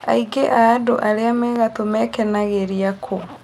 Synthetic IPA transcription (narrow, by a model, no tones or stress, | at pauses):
a̰iɡeʔaːdoʔaɾeamɛːɣatomɛkɛnaɣeɾiakʰo